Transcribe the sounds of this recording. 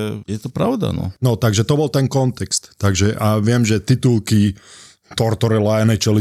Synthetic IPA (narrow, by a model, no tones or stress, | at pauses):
ɛjɛt̪ɔpɾaʊd̪a̰nɔ̰nɔt̪aɡʒɛt̪ɔbɔlt̪ɛnkɔnt̪ɛkst̪ːaɡʒɛʔaʋɪɛmʒɛt̪it̪ulki | t̪ɔɾt̪ɔɾɛlaɛnɛt͡ʃɛli